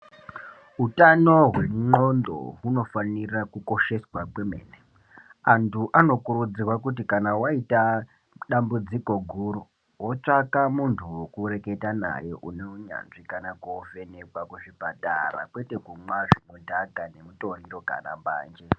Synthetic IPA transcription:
ɦutano̞ɦwe̞mŋ͡ǃondo̰ɦuno̞fanirakuko̞ʃe̞swakwemḛːne | antʰuʔano̞kuɾud͡zirwakutikanawaita | ɗambud͡ziko̞ɡʱuːru | wot͡ʂakamuntʰuwokuɾe̞ke̞tana̰jeʔuneuɲa̰nʐikanakoove̞nekwakuʐibatʼa̰ra̰kwe̞te̞kumwaʐimudʱaɡʱane̞muto̞riro̞ɡʱa̰na̰mba̰ːnd͡ʒe

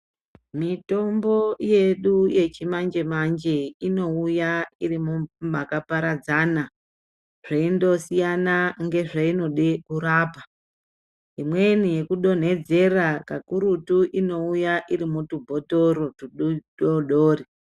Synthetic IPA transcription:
mito̞mbo̞je̞ɗuje̞t͡ʃimand͡ʒe̞mand͡ʒe̞ino̞ujairimumakapaɾad͡zaːna | ʐ̥aindo̞sijanaŋɡe̞ʐaino̞ɗekuɾaːpa | imwe̞nije̞kuɗo̞n̤e̞d͡ze̞rakakuɾutuʔino̞ujaʔirimutubʱo̞to̞ɾotuɗɗoɗoːri

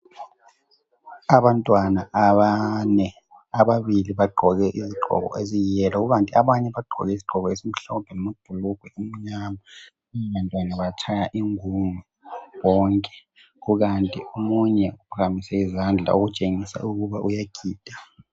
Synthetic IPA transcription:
aɓantʼwanaʔanɛ | aɓaɓiliɓaɡ͡ǃʱɔk̬ɛʔiziɡ͡ǃʱɔ̰k̬ɔ̰ʔezijjɛlak̬uk̬antʼiaɓaɲɛɓaɡ͡ǃʱɔ̰k̬ɛiziɡ͡ǃ̥ʱɔk̬ɔesim̩ɬɔpʰɛlɔmod̥ʱuluɡ̥ʱwɛum̩ɲama | ɛantʼwanaɓajat͡ʃʰajaʔiŋumu | wɔːŋkʼɛ̥ | k̬uk̬antʼiomuɲɛupʰakamisɛizand͡ɮʱa̰ok̬ut͡ʃʼeŋisa̰ʔuk̬uɓaʔujaɡ̥ʱiːd̥ʱḁ

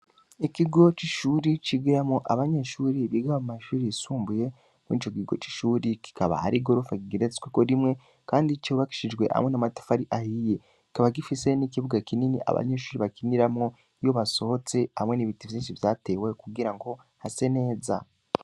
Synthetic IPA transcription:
ikiɡo̞t͡ʃiʃuːɾit͡ʃiɡiɾamŋoʔaβaɲe̞ʃuːɾiβiɡaβamumaʃuːɾiisuːmbuje̞ | muḭt͡ʃokiɡo̞̰t͡ʃi̥ʃuːɾiki̥kaβa̰ha̰ɾiɡo̞ɾufakiɡiɾet͡swekoɾimŋe̞ | kaːndit͡ʃiβaki̥ʃid͡ʒɡwe̞ʔha̰mŋe̞namatḁfaɾiʔahije | ki̥kaβaɡ̬ifise̞nikiβuɡakininḭʔa̰βa̰ɲe̞ʃuːɾiβakiniɾamŋo | jo̞βaso̞ho̞t͡se̞hamŋe̞niβitivjiːnʃivjaːte̞we̞kuɡiɾaŋɡo̞ | hase̞ne̞ːza̰

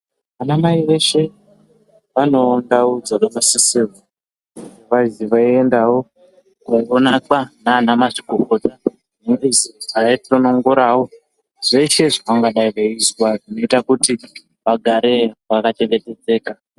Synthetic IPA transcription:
ʋanamaiʋe̞ʃe̞ | ʋano̞ːndaud͡zaɗomasisevu | ʋaziʋaiendawo̞ | kuŋɡonakanaːnamaʐiɡʱoko̞ta | neŋɡiziʐaitronoŋɡoɾaːwo̞ | ʐ̥eiʃe̞ʐakaŋɡaɗaiʋaiswaʐino̞itakuti | ʋaɡʱaɾe̞ʋakat͡ʃe̞ŋɡe̞te̞d͡ze̞ːka

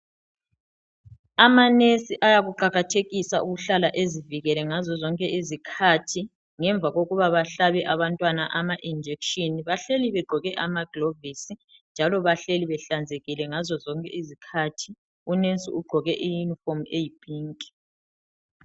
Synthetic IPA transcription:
amanesiʔajaɣuǃaɣatʰeɣisaʔuɣuɬalaʔeziviɣɛlɛŋazɔzɔŋkʼɛʔizikʰatʰi | ŋɛɱb̪vʱaɣoɣuβaβaɬaβɛʔaβantʼwanaʔamaʔind͡ʒʱekʃʼiniβaɬeliβɛɡ͡ǃʱɔɣɛʔamaɡ̥lovisi | nd͡ʒʱalɔβaɬeliβɛɬand͡zʱeɣilɛŋazɔzɔŋkʼɛ̰izikʰatʰi | unesḭuɡ͡ǃʱɔɣɛʔijunifomejib̥ʱʼiːŋkʼi̥

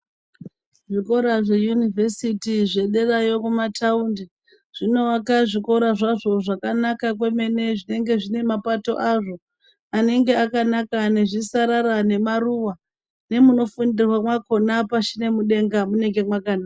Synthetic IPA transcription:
ʐiko̞ɾaʐe̞junivesitiʐe̞ɗe̞rajo̞kumataundi | ʐ̥ino̞akaʐiko̞ɾaʐaʐo̞ʐakanakak̬we̞me̞ne̞ʐine̞ŋɡe̞ʐine̞mapato̞̰ʔaʐo̞ | ane̞ŋɡe̞akanakane̞ʐisaɾaɾane̞maruwa | ne̞muno̞fundirwamwako̞napaʃine̞muɗe̞ŋɡamune̞ŋɡe̞mwakanaːa

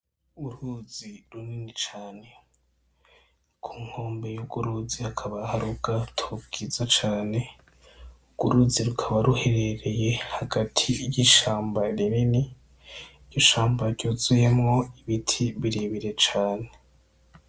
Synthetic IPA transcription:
uɾuziɾuninit͡ʃaːne̞ | kʰuːŋ̥ho̞ːmbe̞juɡ̥uɾuzihakʰaβahaɾuɡatʰobɡ̥izat͡ʃaːne̞ | uɡ̥uɾuziɾukʰaβaɾuhe̞ɾe̞ɾe̞je̞haɡatʰiijiʃaːmbaɾinini | ɟoʃaːmbaɾɟoːzujemŋo̞iβitʰiβiɾeβiɾe̞t͡ʃaːne̞

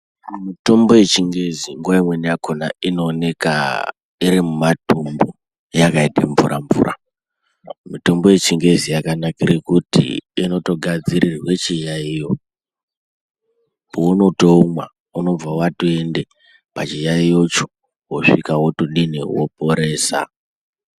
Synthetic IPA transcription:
mito̞mbo̞je̞t͡ʃiŋɡe̞ziŋɡwaimwe̞nijakʰona̰ino̞ːne̞ka̰ | iɾimumatumbo | jakaiteɱvṵɾʔa̰ɱvṵːra̰ | mito̞mbo̞je̞t͡ʃiŋɡe̞zijakanakiɾikutḭino̞to̞ɡʱad͡ziɾirwe̞t͡ʃijaijo̞ | pouno̞to̞umwa̰ | uno̞b͡vawatue̞nde̞ | pat͡ʃijaijo̞t͡ʃo̥ | woʂikawotuɗiniwo̰poɾe̞ːsa̰

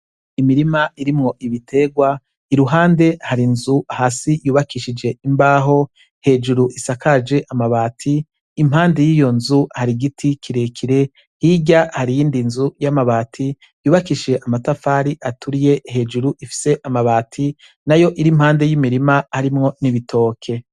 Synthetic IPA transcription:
imiɾimaiɾimŋo̞ʔiβitʰeɡwa | iɾuɦaːnde̞haɾinzuahaːsijuːβakiʃid͡ʒe̞imbaːɦo̞ | he̞ːd͡ʒuɾuʔisakad͡ʒe̞ʔamaβaːtʰiː | mhaːnde̞jiːjo̞nzuhaɾiɡitʰikʰiɾekʰiɾe̞ | hiɟahaɾijiːndinzujamaβaːtʰi | juːβakiʃe̞ʔamatafaɾiʔatʰuɾije̞he̞ːd͡ʒuɾuʔifi̥se̞ʔamaβaːtʰi | najo̞ʔiɾim̥haːnde̞jimiɾimahaɾimŋo̞niβitʰo̞ːkʰe̞

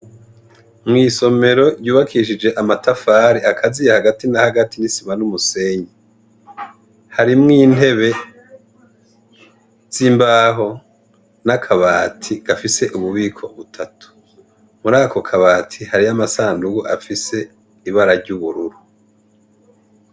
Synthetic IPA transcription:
mŋiːso̞me̞ɾo̞ɾɟuːβakʰiʃ̬id͡ʒe̞ʔamatafaːɾiakʰazijahaɡatinahaɡatinisimanumuse̞ɲi | haɾimŋiːn̥e̞βe̞ | z̥imbaɦo̞ | nakʰaβaːtʰiɡ̥afise̞ʔuβuβiːkʰo̞βutʰatʰu̥ | muɾaːkʰo̞kʰaβaːtʰihaɾiamasaːnduɡuʔafise̞ | iβaɾaɾɟuβuɾuɾu

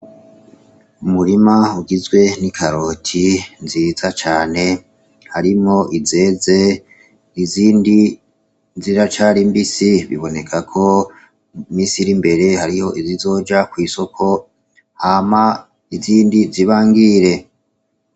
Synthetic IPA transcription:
umuɾimauɡizɡwe̞nikʰaɾo̞tʰinziːzat͡ʃaːne̞ | haɾimo̞ʔize̞ːze̞ | iziːndi | ziɾat͡ʃaɾimbisiβḭβo̞ne̞kʰakʰo̞ | miːsiɾimbe̞ɾe̞haɾiho̞ʔizizo̞ːd͡ʒakwiːso̞kʰo̞ | hama | iziːndiziβaːŋɡiɾe̞

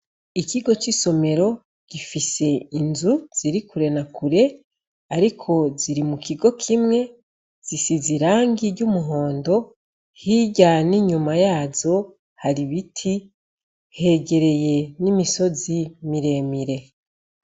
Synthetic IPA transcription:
ikiɡo̞t͡ʃiso̞me̞ɾo̞ | ɡ̥ifise̞inzuz̥iɾikuɾe̞nakuɾe̞ | aɾikʰo̞ziɾimukiɡo̞kʰimŋe̞ | z̥isiziɾaːŋɡiɾɟumuɦo̞ːndo̞ | hiɟaniɲumajaːzo̞ | haɾiβitʰi | he̞ɟe̞ɾe̞je̞nimiso̞zimiɾe̞ːmiɾe̞

